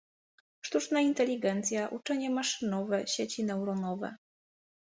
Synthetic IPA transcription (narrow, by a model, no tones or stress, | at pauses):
ʂt̪ut͡ʂnaint̪ɛlʲːiɡɛnt̪sʲjaʔut͡ʂɛɲɛmaʂɘnɔvɛɕet͡ɕinɛwɾɔnɔvɛ̰